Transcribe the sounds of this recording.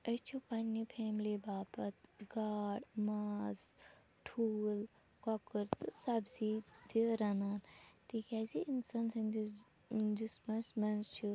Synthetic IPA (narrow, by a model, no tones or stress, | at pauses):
ɐt͡ʃʰupɐnːipʰeːmlibaːpɐt̪ɡaːɽmaːz | ʈʰuːl | kɔkɨɾt̪ɨsɐbsid̪ʰiɾɐnaːnt̪ʰikaziinsaːnsɐnd͡ʒi | d͡ʒismɐsmɐnzt͡ʃʰu